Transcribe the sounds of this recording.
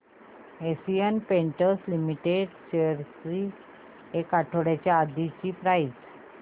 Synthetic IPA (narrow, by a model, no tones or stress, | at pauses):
esijənpeɳʈəɾslimiʈeɖɕeɾsɾi | ekaʈʰoɽjat͡ɕjaːd̪it͡ɕipɾajid͡z